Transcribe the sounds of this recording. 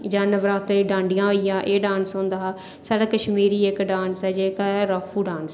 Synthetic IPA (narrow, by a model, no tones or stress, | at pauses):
d͡ʒaːnəʋɾaːt̪ːiːɖãːɳɖɪjãːɦoːijãːʔeːɖaːnsõːnd̪aː | saːɽaːkəʃmiːɾiːekɖaːnsɛːd͡ʒeːkːɛɾəfʰuːɖaːns